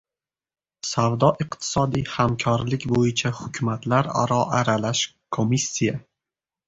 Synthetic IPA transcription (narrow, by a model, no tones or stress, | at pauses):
savd̪ɒʔɪqt̪ʰɪ̥sɒd̪ijhamkʰɒɾlɪkʲbojɪt͡ʃʰahʊkʲʰʊmat̪ʰlaɾa̰ɾɒʔaɾalaʃ | kʰomisʲːija